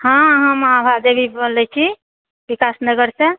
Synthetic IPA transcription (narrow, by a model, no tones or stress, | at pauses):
hãɦəmabʱad̪ebʱibəlɛt͡ʃʰi | bikasnəɡəɾsẽ